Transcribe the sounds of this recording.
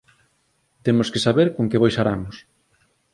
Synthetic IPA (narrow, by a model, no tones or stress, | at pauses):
t̪emoskesaβeɾkoŋkeβajʃaɾamʊs